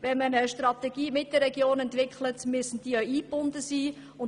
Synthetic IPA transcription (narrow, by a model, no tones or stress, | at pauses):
ʋɛnmənəʃtrɑt̪ɛɡ̥iːmɪt̚d̥ərːɛɡjoːnɛntʋɪkχlətmysn̩td̥iːəiːb̥ʊndəsiː | ʊn